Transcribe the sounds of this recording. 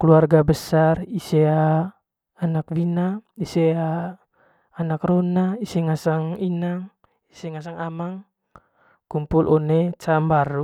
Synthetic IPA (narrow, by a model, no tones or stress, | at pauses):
kəluarɡabəsariseaː | nak̚winaiseaː | nakronaisɛŋasaŋinaŋ | isɛŋas̬aŋamaŋ | kumpulʔonet͡ʃambaɾu